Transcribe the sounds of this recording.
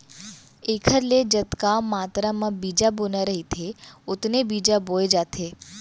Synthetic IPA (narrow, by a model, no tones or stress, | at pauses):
ekʰəɾled͡ʒət̪kamat̪ɾamãbid͡ʒabonaɾəɦit̪ʰeʊt̪nebid͡ʒaboed͡ʒat̪ʰe